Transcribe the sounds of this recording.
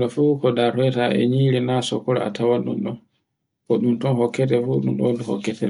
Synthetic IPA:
ɗɔfukɔdahɛtaʔɛ̰ɲiːɾɛnasɔ̰kːɔɾɛ̰a̰tʰawanɗṵnɗɔn | kɔɗumtɔnɦɔkːɛtɛfuɗunɗɔnduhɔ̰kːɛtʰɛ

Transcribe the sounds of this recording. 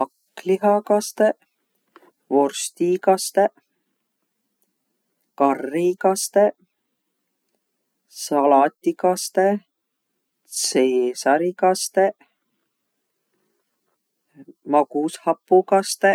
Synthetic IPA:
ɑkː | liɦɑkɑst̪e | vo̞rst̪ikɑst̪e | kɑrːikɑst̪e | sɑlɑt̪ʲːikɑst̪e | seːsɑɾikɑst̪e | mɑkushɑpːukɑst̪e

